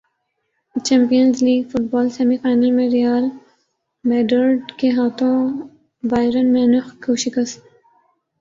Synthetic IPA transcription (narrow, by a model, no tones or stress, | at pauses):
t͡ʃɛ̃ːmpijənzliːɡfʊʈ̚bɔːlsemifaːjnəlmẽɾijaːl | meːɖəɾɖkeɦaːt̪ʰõː | baːɪɾənmẽnʊxkʰoːʃikɐs